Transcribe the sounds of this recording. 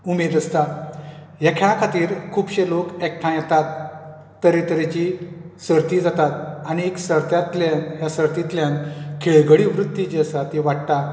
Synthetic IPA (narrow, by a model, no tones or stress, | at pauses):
umed̪əst̪a | jakʰaãkʰat̪iːɾkʰuːbɕelokek̚ʈʰãjɛt̪at̪ː | əɾet̪əɾet͡ɕi | səɾt̪iːd͡zat̪at̪̚añieksəɾt̪jat̪lanjasəɾt̪it̪ljãnkʰeɭɡəɭiʋɾut̪ːid͡ʑesat̪iʋaʈ̚t̪a